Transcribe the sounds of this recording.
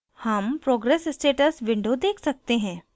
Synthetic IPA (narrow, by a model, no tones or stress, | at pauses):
hɐmpɾoːɡɾɛːssʈeːʈəsʋɪ̃ɳɖod̪eːkʰsɐk̚t̪eɦɛ̃ː